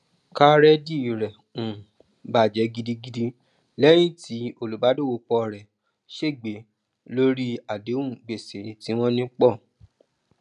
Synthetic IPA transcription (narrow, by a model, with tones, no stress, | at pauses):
ka˦ɾɛ˦di˦˨ɾɛ˨ | ũ˨ | ba˨d͡ʒɛ˨˦ɡi˦˧di˧ɡi˧di˧ | lɛ˦j̃ĩ˦˨ti˨˦o˦˨lu˨ba˨˦do˦˨wo˨˧k͡pɔ˧˨ɾɛ˨ | ʃe˦˨ɡ͡be˨˦ | lo˦ɾi˦a˨de˨˦ũ˦˨ɡ͡be˨se˨ɾĩ˨ti˨˦w̃ɔ̃˦nĩ˦k͡pɔ˦˨